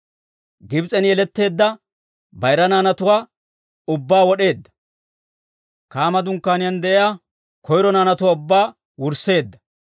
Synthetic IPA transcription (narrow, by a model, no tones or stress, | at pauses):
ɡɪbt͡sʼɛnjɛlɛt̪ːe̞ːd̪ːɐ | bɐjɾɐnaːnɐt̪ʊwaː | ʊbːaːwɔɗe̞ːd̪ːɐ̥ | kaːmɐd̪ʊŋkːaːnɪjɐnd̪ɛʔɪjaː | kʰɔjɾɔnaːnɐt̪ʊwaːʊbːaː | wʊɾsːe̞ːd̪ːɐ̥